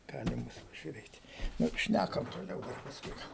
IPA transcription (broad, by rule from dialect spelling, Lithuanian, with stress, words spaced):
ˈɡɑːlʲɪm ˈbʊs pɐʒʲʊˈrʲeːtʲ ˈnʊ ˈʃʲnʲækɐm toːˈlʲɛʊ ˈdɐr pɐsˈkʊɪ ˈɡɐlˠ